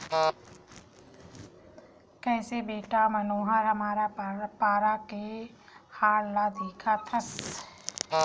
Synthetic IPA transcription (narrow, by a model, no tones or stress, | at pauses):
kɛ̃ɪsebeːʈamənoːɦəɾɦəmaːɾapaːɾake | haːɽlad̪eːkʰat̪ʰəs